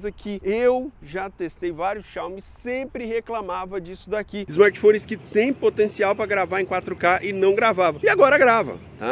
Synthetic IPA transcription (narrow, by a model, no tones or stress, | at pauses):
zɐkʰɪewʒat̪est̪ejvaɾjʊsʃawmɪssẽpɾɪheklamavɐd͡ʒisʊd̪akiɪzmaɾt͡ʃi̥fõnɪskɪt̪ẽj̃pot̪ẽsiawpɾɐɡɾavaɾẽj̃kwat̪ɾʊkaʔɪnɐ̃w̃ɡɾavavɐ̃ɪaɡɔɾɐɡɾavɐ̰̃t̪a̰